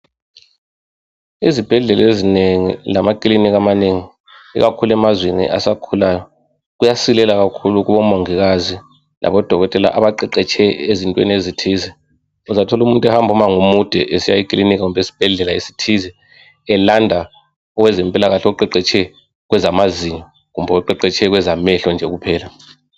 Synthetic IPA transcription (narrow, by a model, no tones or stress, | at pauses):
izib̥ʱɛɮɛlezineŋḭlamakʼlinik̬amaneŋi | ḭɣakʰulɛmazwenḭʔa̰sakʰulajɔ | ɣujasilɛlaɣakʰuluɣuβɔmoŋiɣazi | lʔa̰βɔd̥ʱɔɣɔtʼɛla̰ʔaβaǃiǃɛt͡ʃʰɛezintʼwḛnezitʰizɛ | uzatʰɔlumuntʼwɛhambʱumaŋumud̥ʱɛʔesijaikʼlinik̬ʼaumbʱesi̥b̥ʱɛɮɛlaisi̥tʰizɛ | ɛlandʱa | ɔwɛzɛmpʼilaɣaɬǃɛǃɛt͡ʃʰʼɛ | ɣwɛzamaziɲɔ | ɣumbʱɛɔǃɛǃɛt͡ʃʰɛɣwɛzamɛɬɔnd͡ʒʱɛɣupʰɛːla